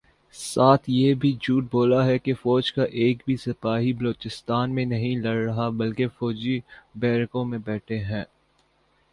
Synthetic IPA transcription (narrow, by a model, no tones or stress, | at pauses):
saːt̪ʰjebʱid͡ʒuːʈ̚boːlaɦɛkefɔːd͡ʒkaʔeːkbʱisɐpaːɦibɐloːt͡ʃɪst̪aːnmẽnɐɦĩlɐɽɾɐɦabɐlkefɔːd͡ʒibɛːɾkõmẽbɛːʈʰeɦɛ̃ː